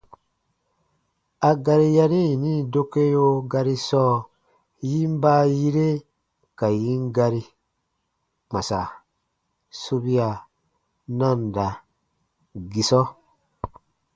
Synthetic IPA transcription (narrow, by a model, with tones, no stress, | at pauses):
a˨ɡa˧ɾi˧ja˧ɾi˦˨nĩ˦˨do˦ke˦jo˦ɡa˧ɾi˦sɔː˦ | ji˦m˦ba˦ji˦ɾe˦ | ka˨ji˦ŋɡa˧ɾi˧ | k͡pã˨sa̰˨ | so˦bi˦a˨ | nã˦˨nda˨ | ɡi˨sɔ˦